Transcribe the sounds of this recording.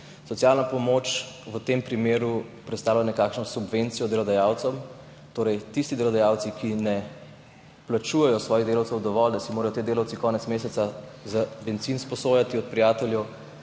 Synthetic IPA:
sɔtsjaːlnapɔmot͡ʃʋət̪empɾimeːɾu | pɾɛt̪st̪aːwlanɛkaːkʃnɔsubʋent̪sijɔd̪ɛlɔd̪ajaːwt̪sɔm | t̪oːɾɛjt̪ist̪id̪elɔd̪ajawt̪sikinɛ | plat͡ʃuːjɛjɔsʋɔːjiɣd̪eːlawt̪sɛwd̪ɔʋɔld̪asimoːɾɐjɔt̪eːd̪eːlawtsikɔːnɛt̪smeːsɛt̪sazabɛnt̪sinspɔsoːjat̪iɔt̪̚pɾijaːt̪ɛljɛw

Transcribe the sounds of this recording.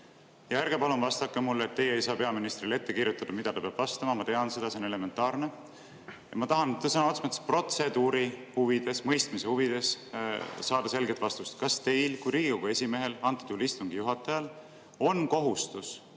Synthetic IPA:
jɑeɾɡ̥epɑlunvɑst̪ɑkːˑemulːet̪ːe̞jeejsɑːpe̞ɑminist̪rilet̪ːe̞kiɾjut̪ːˑɑd̪̥ɑmid̪̥ɑt̪ɑpeɑb̥vɑst̪ɑmɑmɑt̪e̞ɑnse̞d̪̥ɑse̞onle̞me̞nt̪ːˑɑːrne̞ | jɑmɑt̪ɑɦɑnt̪ːesɑnoot̪smɑt̪spro̞t̪se̞d̪uːɾihuvid̪̥e̞smɤjst̪misehuvid̪̥e̞s | sɑːd̪̥ɑse̞lɡet̪vɑst̪ust̪kɑst̪e̞jlkujɾiːɡ̥iko̞ɡ̥ue̞sʲime̞ɦe̞lɑnt̪ːˑu̥t̪ulist̪uŋɡ̥ijuɦɑt̪ːˑɑjɑl | o̞nko̞ɦust̪us

